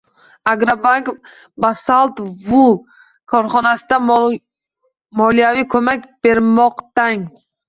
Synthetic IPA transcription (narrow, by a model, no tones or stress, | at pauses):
aɡɾabaŋk | basalˠt̪vʊ | kʰɒɾχɒnasɪd̪a | mɒlˠijavikʲʰɵmakʲbeɾmɒqt̪aŋ